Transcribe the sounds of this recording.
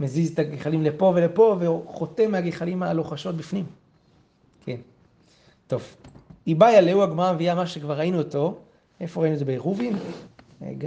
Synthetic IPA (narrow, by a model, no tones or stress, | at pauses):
mezizet̪aɡiχalimlepo̞velepo̞veχo̞temeaɡiχalimalo̞χaʃo̞t̚bifnim | kʰen | to̞vibajaleuaɡmaʁameviamaʃekvaʁainuoto̞ | efo̞ʁainuet̬obeeʁuvinḛɡ